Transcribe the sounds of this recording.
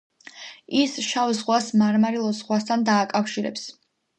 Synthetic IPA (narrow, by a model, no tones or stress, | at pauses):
isʃavzʁwasmaɾmaɾilˠɔzʁwast̪ʰand̪aːkʼafʃiɾɛ̰ps